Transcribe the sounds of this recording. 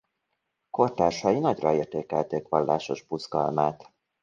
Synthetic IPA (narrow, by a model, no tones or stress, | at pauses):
ko̞rt̪aːrʃɒjinɒɟrɒeːrt̪eːkɛlt̪eːkʋɒlːa̰ːʃo̞ʒbuzɡɒ̰lmaːt̪